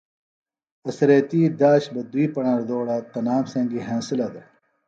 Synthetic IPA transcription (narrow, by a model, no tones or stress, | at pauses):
ɐsɐɾet̪iːd̪aːɕbɐd̪uiːpɐɳãɾd̪oːɽat̪ɐnaːmsẽːŋɡiɦẽːnsilɐd̪e